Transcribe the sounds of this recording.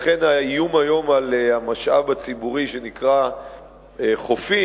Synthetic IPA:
χenaijumajo̞malehamaʃʔa̰vat͡sibuʁiʃe̞nikʁa | eχofi

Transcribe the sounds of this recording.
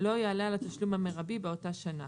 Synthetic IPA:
lo̞jaːlalat̪aʃlumhameʁabibeo̞taʃana

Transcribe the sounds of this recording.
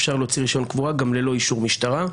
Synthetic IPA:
fʃaʁlet͡siʁiʃo̞nkvuaɡamlelo̞iʃuʁmiʃtaʁa

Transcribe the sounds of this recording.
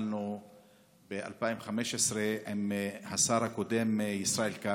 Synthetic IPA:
lnu | beʔa̰lpajimχameʃesɾeʔimhasaɾhakod̪emjisɾaʔelka

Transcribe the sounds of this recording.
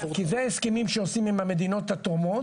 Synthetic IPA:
kizeaeskemimʃeosimemhame̞d̪ino̞t̪at̪ʁomo̞

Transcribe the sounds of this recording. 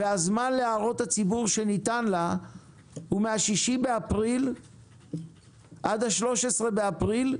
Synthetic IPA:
veazmanleaʁo̞that͡sibuʁʃe̞nitanla | humeaʃiʃibeapʁil | ʔadaʃlo̞ʃesʁe̞beapʁil

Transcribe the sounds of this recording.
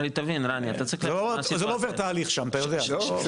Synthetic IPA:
lit̪avinʁania̰t̪at͡sʁiχlozeloovet̪aːliχʃamat̪ajod̪ea

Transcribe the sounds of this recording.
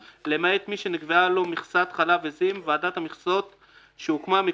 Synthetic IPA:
lemaet̪miʃeniɡvealomiχsat̪χalavezimveadat̪hamiχsot̪ | ʃeukmami

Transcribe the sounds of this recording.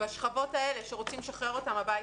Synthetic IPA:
baʃχavo̞taele̞ʃeʁo̞t͡simeʃaχʁeʁo̞tamabaj

